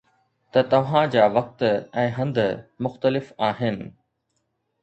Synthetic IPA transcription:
t̪ɐt̪ɐʋ̤ãd͡ʑaːʋɐk̚t̪ɛ̃ːɦɐ̃nd̪mʊxt̪əlɪfaːɦɪnɪ̆

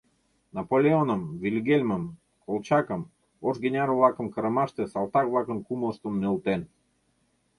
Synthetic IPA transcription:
napolʲeonəmvilʲɡelʲməm | kʰolˠt͡ɕakə̆m | oʒɡenʲaɾovlˠakə̆mkəɾə̆maʃt̪esalˠt̪akvlˠakə̆nkuməlˠst̪əmnelˠt̪en

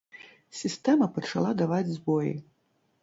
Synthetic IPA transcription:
sʲist̪ɛmɐpɐt͡ʂalˠad̪avad͡zʲzbɔjḭ

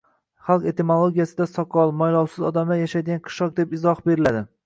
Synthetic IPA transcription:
χalˠqe̞t̪emolˠoɡʲijasɪd̪asɒqʰɒlˠmɒjlˠɒwsɪzɒd̪amlajaʃajd̪ɪɡʲanqʰɨ̥ʃɒq̚d̪epɪzɒχbe̞ɾɪlad̪ɪ

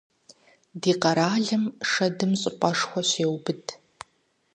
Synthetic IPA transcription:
diːqɐɾaːɮɐmʂɐdɨmɕʼɪpʷʼɐʂxʷɔɕeːwbɨtʰʼ

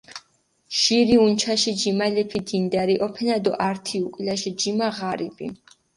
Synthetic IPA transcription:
ʃiɾiunt͡ʃʰaʃid͡ʒimalɛpʰid̪ind̪aɾiʔɔpʰɛnad̪ɔʔaɾt̪ʰiukʼlaʃid͡ʒimaʁaɾipʼḭ

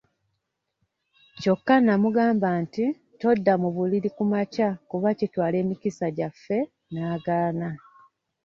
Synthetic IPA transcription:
co̞kːanamuɡaːmbaːnti | to̞dːamuβuliɾikumacakuβacitwaːle̞ːmikisaɟafːe̞ | naːɡaːna

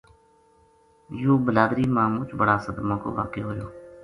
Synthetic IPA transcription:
joːbəlaːd̪ɾiːmãːmʊt͡ʃʰbəɽaːsəd̪mãːko̰ːʋa̰ːkeːɦoːjoː

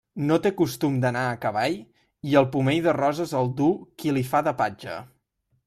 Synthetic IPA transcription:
not̪ekust̪umd̪ənaəkəβ̞aʎ | iəlˠpumeʎðərɔzəzəlˠd̪ukilifaðəpad͡ʒə̰

